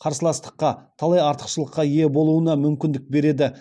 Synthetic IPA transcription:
qʰɑɾsəlˠɑst̪ə̥qːɑt̪ʰɑlˠɑjɑɾt̪ə̥qʃəlˠəqːɑije̞bo̞lˠuənɑmʏmkʲɪnd̪ɪk̚be̞ɾe̞d̪ɪ

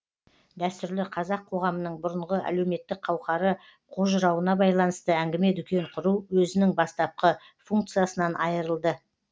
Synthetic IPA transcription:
d̪æst̪ʏɾlɪqʰɑzɑqʰo̞ʁɑmənəɴbʊɾəɴʁəʔæ̰lewme̞t̪ːɪk̚qʰɑwqɑɾə | qʰoʒəɾɑwənɑbɑjlˠɑnəst̪əæŋɡʲɪme̞t̪ʏkʲe̞ɴqʰʊɾuwwɵzɪnɪŋbɑst̪ɑp̚qə | fuŋk̚t̪sɨjasənɑnʔɑjəɾəlˠd̪ə

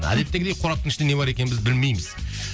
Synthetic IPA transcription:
æ̰d̪e̞pt̪ːe̞ɡʲɪd̪ejqʰoɾɑp̚t̪əɴɪʃɪnene̞bɑɾe̞kʲe̞nbɪzbɪlme̞jmɪz̥

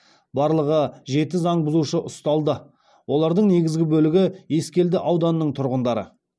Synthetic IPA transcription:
bɑɾlˠəʁəʒe̞t̪ɪzɑɴbʊzuʃəʔʊst̪ɑlˠd̪ə | wʔo̞lˠɑɾd̪əɴne̞ɡʲɪzɡʲɪbɵlɪɡʲɪje̞skʲe̞ld̪ɪʔɑwd̪ɑnəːəɴt̪ʰʊɾʁənd̪ɑɾə̰

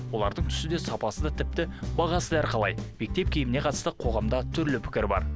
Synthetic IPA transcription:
wo̞lˠɑɾd̪əɴt̪ʰʏ̥sɪd̪e̞sɑpɑsəd̪ɑt̪ʰɪp̚t̪ɪbɑʁɑsəd̪æɾqʰɑlˠɑ̰jbe̞k̚t̪e̞pkʲʰejɪmɪne̞qʰɑt̪ə̥st̪əqʰo̞ʁɑmd̪ɑt̪ʰʏɾlɪpʰɪ̥kʲɪɾbɑ̰ɾ

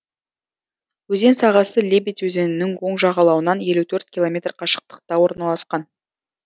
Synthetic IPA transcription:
wɵze̞nsɑʁɑsəlʲebijt̪wɵze̞nɪnɪŋwo̞ɴʒɑʁɑlˠɑwənɑnje̞lut̪ʰɵɾt̪̚kʲilˠo̞mʲe̞t̪rqʰɑʃə̥q̚t̪ə̥q̚t̪ɑwo̞ɾnɑlˠɑsqɑn

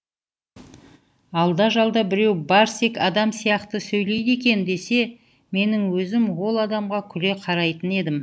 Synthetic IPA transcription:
ɑlˠd̪ɑʒɑlˠd̪ɑbɪɾe̞wbɑɾsekɑd̪ɑmsijɑqt̪əsɵjle̞jd̪e̞kʲe̞nd̪e̞se̞ | me̞nɪŋwɵzɪmwo̞lˠɑd̪ɑmʁɑkʲʰʏle̞qʰɑɾɑjt̪əne̞d̪ɪm

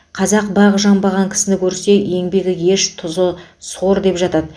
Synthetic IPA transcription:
qʰɑzɑq̚bɑʁʒɑmbɑʁɑŋkʲʰɪ̥sɪnɪkʲʰɵɾse̞je̞ŋbe̞ɡʲɪje̞ʃt̪ʰʊzəso̞ɾd̪e̞pʒɑt̪ɑd̪ə

